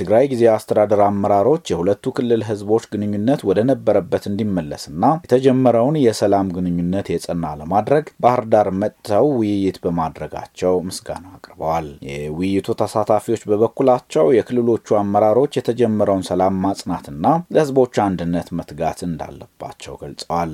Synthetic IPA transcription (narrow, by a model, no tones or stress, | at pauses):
t̪ʰɨɡɾajɡizeast̪ʰəd̪ad̪əɾamːəɾaɾo̞t͡ʃːjɛhulət̪ːukʰɨlːɨlɦɨzbo̞t͡ʃːɡɨnɨɲːunːət̪wɔd̪ənəbːəɾəbːət̪ɨnd̪imːəlːəsɨnːajɛt̪ʰəd͡ʒɛmːəɾəwnjɛsəlamɡɨnɨɲːunːət̪jɛsʼənːaləmad̪ɾəɡbahɨɾd̪aɾmət̪ːəwwɪjjɪt̪bəmad̪ɾəɡa̰t͡ʃːɛwmɨsɡa̰nakʼɾbəwaljɛwʊjːɪt̪ʰut̪ʰəsat̪ʰafiwo̞t͡ʃːbəβəkːulat͡ʃːɛwjɛkʰɨlːɨlo̞t͡ʃːuamːəɾaɾo̞t͡ʃːjɛt̪ʰəd͡ʒɛmːəɾəwnsəlamːasʼnat̪ɨnːajɛhɨzbo̞t͡ʃːuand̪ɨnːət̪mət̪ɡa̰t̪ɨnd̪a̰lːəb̥ːa̰t͡ʃːɛwɡəlsʼəwal